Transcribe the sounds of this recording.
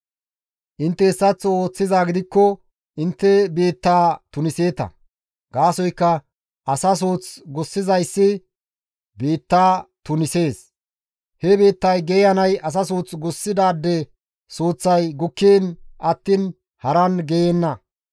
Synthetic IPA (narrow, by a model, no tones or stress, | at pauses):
ʔɪnt̪ːɛɪsːɐt͡sːoːt͡sːɪzaːɡɪd̪ɪkːɔ | ʔɪnt̪ːɛbe̞ːt̪ːaːt̪ʊnɪse̞ːt̪ɐ̰ | ɡaːsɔjkːɐ | ʔɐsɐs̬oːt͡sɡɔsːɪzɐjsːɪ | be̞ːt̪ːaːt̪ʊnɪse̞ːs | hɛbe̞ːt̪ːɐjɡɛjɐnɐjʔɐs̬ɐs̬uːt͡sɡʊsːɪd̪aːd̪ːɛ | soːt͡sːɐjɡʊkːeːnʔɐt̪ːin | hɐɾɐnɡɛjenːɐ